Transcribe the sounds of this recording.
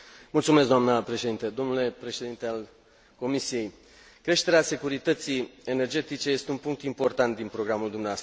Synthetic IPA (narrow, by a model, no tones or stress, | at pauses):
mult̪sumes̬d̪oamnəpɾe̞ʃe̞d̪int̪əd̪o̞mnule̞pɾe̞ʃe̞d̪int̪eal | ko̞misije̞j | kɾe̞ʃt̪e̞ɾease̞kuɾit̪ət̪siene̞rd͡ʒe̞t̪it͡ʃe̞je̞st̪eunpuŋk̚t̪impo̞rt̪ant̪̚d̪inpɾo̞ɡɾamuld̪umneaast̪ɾə